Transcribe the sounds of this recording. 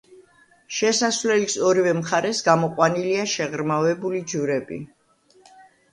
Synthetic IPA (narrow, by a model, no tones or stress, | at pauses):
ʃɛsasvlɛlisɔɾivɛmχaɾɛsɡamɔqʼwaniliaʃɛʁɾmavɛbulid͡ʒuɾɛbḭ